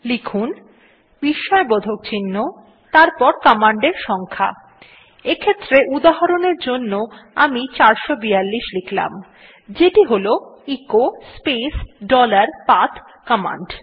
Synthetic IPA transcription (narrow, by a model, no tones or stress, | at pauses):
likʰun | biʃːɔebod̪ʱok̚t͡ɕʰinːo | t̪aɾpɔɾkɔmaɳɖeɾʃɔŋkʰa̰ | ekʰet̪ːɾeʔud̪aɦɔɾoneɾd͡ʑonːoamit͡ɕaɾʃobijalːiʃlikʰla̰m | d͡ʑeʈiɦoloikospesɖɔlaɾpat̪ʰ | kɔma̰ɳɖ